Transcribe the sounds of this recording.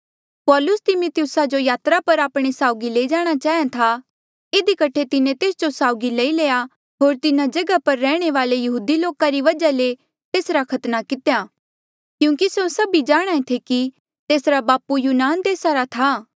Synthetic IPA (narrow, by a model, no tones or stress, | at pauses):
pɔːlʊst̪ɪmʊt̪ɪjʊsad͡ʒojaːt̪ɾapɐɾaːpɽ̃esaːʊɡileːid͡ʒaːɽ̃at͡ʃaːɦijãt̪ʰa | ɪd̪ikɐʈʰet̪ɪnẽt̪eːsd͡ʒosaːʊɡileileːja | ɦoːɾt̪ɪnãd͡ʒɐɡapɐɾːɛːɽ̃eʋaːlejɐɦuːd̪iloːkaɾiʋɐd͡ʒale | t̪eːsɾakʰɐt̪nakɪt̪ejaː | kjũːkisosɐbid͡ʒaːɽ̃aːẽt̪ʰeki | t̪eːsɾabaːpujuːnaːnd̪eːsaɾat̪ʰa